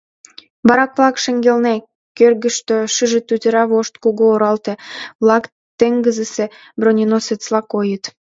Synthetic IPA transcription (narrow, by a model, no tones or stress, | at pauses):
βɑɾɑkβlˠɑkʃə̆ŋɡelne | kørɣə̆ʃt̪øʃɨʒĕt̪ut̪ʲəɾɑβoʃt̪kuɣoːɾɑlt̪ĕβlɑk | t̪eŋɡəzəse | bronʲinoset͡slɑkojət̪